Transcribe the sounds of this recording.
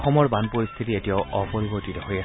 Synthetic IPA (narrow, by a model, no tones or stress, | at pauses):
xɔmɔɹbanpoɹist̪ʰitietijaʊʔɔpoɹibotitɛɦoɹija